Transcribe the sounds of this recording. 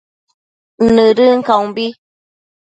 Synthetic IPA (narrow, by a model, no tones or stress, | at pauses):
nɨɾɨŋ̩kawbi